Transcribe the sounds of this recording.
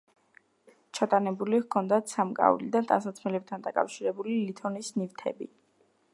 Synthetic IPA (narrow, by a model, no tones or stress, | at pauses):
t͡ʃʰat̪ʼanɛbulikʰɔnd̪at̪samkʼa̰ulid̪ant̪ʼa̰nsat̪sʰmɛlɛp̚t̪ʰand̪akʼa̰fʃiɾɛbulilit̪ʰɔnisnift̪ʰɛ̰bḭ